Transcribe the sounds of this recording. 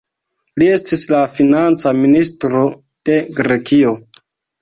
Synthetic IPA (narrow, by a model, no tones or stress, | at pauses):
lie̞stislafinant͡saministɾo̞ | d̥e̞ɡɾe̞kio̞